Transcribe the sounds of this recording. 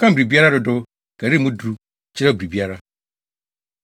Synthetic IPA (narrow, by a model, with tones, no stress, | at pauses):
kʰã˦m̩˨bi˨bi˦a˦ɾa˦dʊ˨dʊ˦ | kʰæ˨ɾi˦˨mũ˦dɾu˦ | t͡ɕʰɪ˦ɛ˦˨bi˨bi˦a˦ɾa˦